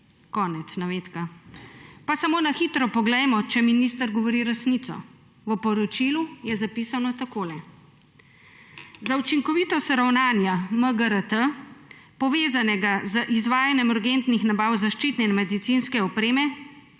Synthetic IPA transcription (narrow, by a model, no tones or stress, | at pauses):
kɔːnɛt̪snaʋeːt̪ka | pasamoːnaxit̪ɾɔpɔɡlɛjmɔt͡ʃɛminist̪əɾɡɔʋɔɾiɾɛsniːt̪sɔ̰ | ʋəpɔɾɔt͡ʃilujɛzapiːsanɔt̪akoːlɛ | zaut͡ʃiŋkɔʋit̪ɔst̪ɾawnaːnjaməɡəɾət̪ə | pɔʋeːzanɛɡazəʔizʋaːjanjɛmuɾɡent̪nixnabawzaʃt͡ʃiːt̪nɛinmɛd̪it̪sinskɛɔpɾeːmɛ